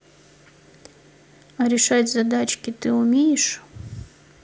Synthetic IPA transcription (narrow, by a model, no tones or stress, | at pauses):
ɐɾʲɪʂatʲzɐd̪at͡ɕkʲɪt̪ɨʊmʲejɪʂ